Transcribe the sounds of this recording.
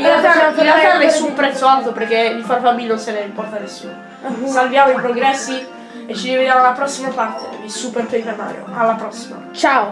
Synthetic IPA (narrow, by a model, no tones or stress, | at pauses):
ĩnɾealt̪ainalt̪anesːumpɾɛt̪sːoalt̪operkːed̪ifaɾfabiʎːnonsɛnɛimpɔrt̪anesːṵno | salvjaːmoipɾoɡɾɛsːi | et͡ʃːid̪eved̪jamalːapɾɔsːimapart̪ḛd̪isuperpejpema̰ːɾjo̰alːapɾɔsːima̰t͡ʃao